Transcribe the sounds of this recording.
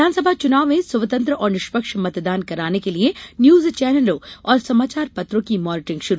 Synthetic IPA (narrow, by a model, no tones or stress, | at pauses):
aːnsɐbʱat͡ʃʊnaːʋmẽsɐʋt̪ə̃nt̪ɾəʔɔːɾnɪʃpəkʃmɐt̪d̪aːnkɐɾaːnekelienjuːzt͡ʃɛːnəlõːɔːɾsɐmaːt͡ʃaːɾpɐt̪ɾõkimɔːnɪʈɪ̃ŋɡʃʊɾu